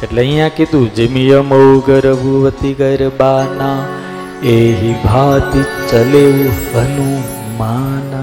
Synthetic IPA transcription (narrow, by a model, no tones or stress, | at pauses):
eʈleəĩjãkid̪ũd͡ʒemijəmowɡəɾəbʱuʋət̪iɡəɾbaːna | eːɦibʱaːd̪it͡ʃəleuʋənũ | maːn